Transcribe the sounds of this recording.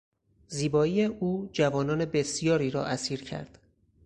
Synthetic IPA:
ziːbɒːiːeʔuːd͡ʒævɒːnɒːne̞be̞sijɒːɾiːɾɒ̰ːʔæsiːɾcʰæ̰ɾd̪̥

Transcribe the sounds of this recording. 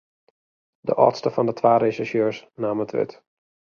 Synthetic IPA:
də̰ʔɔ̰tstəfɑndətʰʋaːɾesɪʃjøːɹsnaːmətʰʋɪ̰t

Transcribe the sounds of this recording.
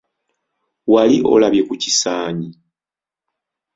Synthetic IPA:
waliʔo̞̰laβje̞kucisaːɲi

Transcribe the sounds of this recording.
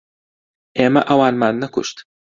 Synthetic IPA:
ʔeːmɐʔɐwaːnmaːnːɐkʊ̰ʃt̪

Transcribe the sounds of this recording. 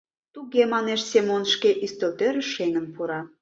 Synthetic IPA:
t̪uɣemɑneʃsemonʃkeʔist̪ølt̪øɾeʃeŋə̆npuɾɑ

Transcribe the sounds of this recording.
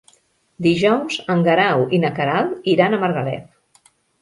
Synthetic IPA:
d̪iʒɔwzəŋɡəɾawinakaɾaliɾanəməɾɣəlɛ̰p̚

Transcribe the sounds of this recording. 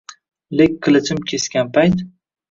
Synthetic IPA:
lekʲkːɪlɪt͡ʃɪmkʲʰeskʲanpʰajt̪

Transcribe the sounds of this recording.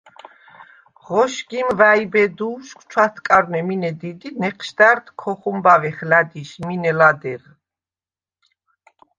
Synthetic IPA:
ʁɔʃɡimvaibɛd̪uːʃkʷʰt͡ʃʰwat̪ʰkʼaɾnɛminɛd̪id̪inɛqʰʃd̪aɾt̪ʰkʰɔχumbavɛχlad̪iʃminɛlad̪ɛɾ

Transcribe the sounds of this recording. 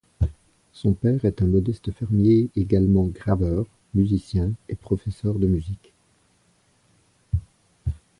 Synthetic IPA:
sɔ̃pɛʁɛt̪ɛ̃mɔd̪ɛst̪əfɛʁmjeeɡalmɑ̃ɡʁavœːʁ | myzisjɛ̃epχɔfɛsœʁd̪əmyzik

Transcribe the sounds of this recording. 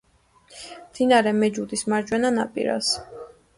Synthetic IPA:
md̪̥inaɾɛmɛd͡ʒud̪ismaɾd͡ʒwɛnana̰pʼḭɾa̰s

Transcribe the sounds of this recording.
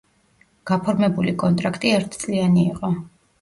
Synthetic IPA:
ɡ̥apʰɔɾmɛbulikʼɔnt̪ʼɾakʰt̪ʼiɛɾt̪ʰt̪sʼlianiːqʼɔ

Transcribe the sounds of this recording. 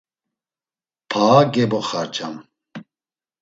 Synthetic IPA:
pʰaːɡɛbɔχaɾt͡ʃʼam

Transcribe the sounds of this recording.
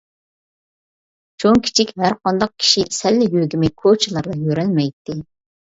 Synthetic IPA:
t͡ʃʰoŋkʲʰi̥t͡ʃʰikʲɦæɾqʰɑnd̪ɑq̚kʲʰi̥ʃisɛlːɪjøɡʲimɪkʰot͡ʃʰlˠɑɾlˠɑjøɾɛlmɛjt̪ːɪ

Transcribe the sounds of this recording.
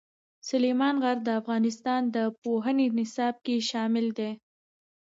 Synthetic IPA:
sʊlemɑnɣaɾd̪əafɣɑnɪst̪ɑnd̪əpoɦənenɪsɑb̚keʃɑmɪld̪e

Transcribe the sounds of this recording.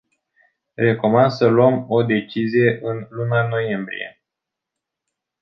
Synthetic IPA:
re̞ko̞mand̪səluəmo̞d̪e̞t͡ʃizije̞ʔɨnlunano̞je̞mbɾḭje̞̰

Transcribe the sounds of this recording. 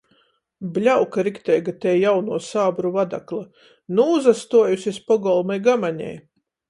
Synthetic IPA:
blʲawkaɾikt̪ɛjɡat̪ɛːjawnuɔsaːbɾuvad̪a̰klˠa | nuːzast̪uɔjusʲispɔɡɔlˠmajɡamaɲɛ̰j

